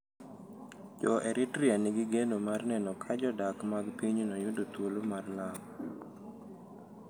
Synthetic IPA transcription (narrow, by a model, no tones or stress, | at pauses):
d͡ʒɔʔɛɾʔɪtɾianɪɡɪɡenomarnɛnɔkʰad͡ʒɔdakmaɡpiɲnɔjʊdot̪wolomarlam